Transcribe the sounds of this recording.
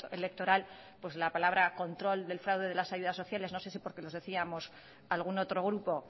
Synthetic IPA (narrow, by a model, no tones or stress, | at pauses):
oele̞k̚t̪o̞ɾal | pwe̞slapalaβ̞ɾako̞nt̪ɾo̞ld̪e̞lfɾawðe̞ðe̞lasaʝuðasːo̞θjale̞zno̞se̞s̬ipo̞ɾke̞lo̞zðe̞θiamo̞s | alɣ̞uno̞t̪ɾo̞ɣ̞ɾupo̞